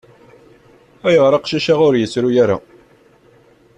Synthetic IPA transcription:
æjəʁɾˤɑqʃæʃaʁʊɾjəsɾujæɾa̰

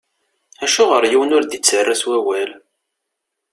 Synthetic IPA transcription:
æʃuʁəɾjiwənʊɾd̪it͡sːərːaswæwæl

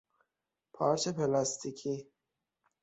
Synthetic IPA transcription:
pʰɒːɾt͡ʃʰepʰelɑst̪ʰikʰi

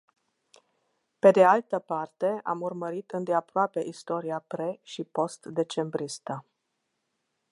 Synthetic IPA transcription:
pe̞d̪ealt̪əpart̪e̞a̰murməɾit̪ɨnd̪eapɾoape̞ʔist̪o̞ɾiapɾeʃipo̞st̪d̪e̞t͡ʃe̞mbɾist̪ə

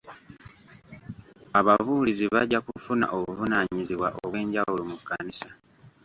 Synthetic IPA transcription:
aβavuːliziβa̰ɟːakufuna̰ʔo̞βuvunaɲiziβwa̰ʔoβwe̞ːɲɟawulumukːanisa

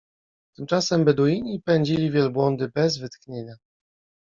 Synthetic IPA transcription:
t̪ɘmt͡ʂasɛmbɛd̪ujiɲipɛɲd͡ʑilʲivʲjɛlbwɔnd̪ɘbɛzvɘt̪kɲeɲa

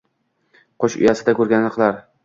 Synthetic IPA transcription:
qʰoʃʊ̰jasɪd̪akʲɵɾɡʲanlɪqʰlaɾ

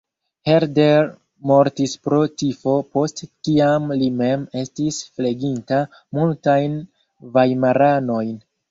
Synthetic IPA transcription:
he̞ɾdeɾ | mo̞ɾtispɾo̞tifo̞po̞stkiamlime̞me̞stisfle̞ɡinta | multajn | vajmaɾano̞jn

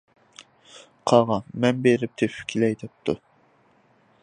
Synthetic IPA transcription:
qʰɑʁɑmɛnbeɾɪp̚t̪ʰepfkʲʰilɛjd̪ɛp̚t̪ʰu

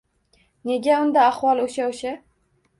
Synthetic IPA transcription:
ne̞ɡʲaʊnd̪aːχwɒlˠoʃaoʃa

